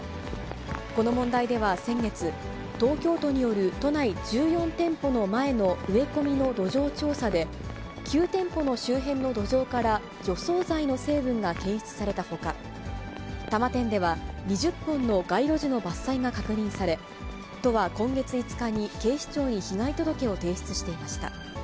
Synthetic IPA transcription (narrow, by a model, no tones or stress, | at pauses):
ko̞no̞mõ̞nd̪aid̪e̞β̞asẽ̞ŋɡe̞t͡sɨ | t̪o̞ːkʲo̞ːt̪o̞ɲ̟ijo̞ɾɯ̟t̪o̞naid͡ʑɨːjõ̞nt̪ẽ̞mpo̞no̞mae̞no̞ɯ̟e̞ko̞mʲino̞d̪o̞ʑo̞ːt͡ɕo̞ːsad̪e̞ | kʲɨːt̪ẽ̞mpo̞no̞ɕɨːɦẽ̞nːo̞d̪o̞ʑo̞ːkaɾa | d͡ʑo̞so̞ːzaino̞se̞ːbɯ̟̃ŋɡakẽ̞ɰ̃ɕi̥t͡sɨ̥saɾe̞t̪aho̞ka | t̪amat̪ẽ̞nd̪e̞βaɲ̟iʑɨpːõ̞nːo̞ɡaiɾo̞ʑino̞basːaiɡakakɯ̟ɲ̟ĩɰ̃saɾe̞ | t̪o̞βakõ̞ŋɡe̞t͡sɨit͡sɨ̥kaɲ̟ike̞ːɕi̥t͡ɕo̞ːɲ̟içiɡait̪o̞d̪o̞ke̞o̞t̪e̞ːɕi̥t͡sɨ̥ɕi̥t̪e̞imaɕi̥t̪a̰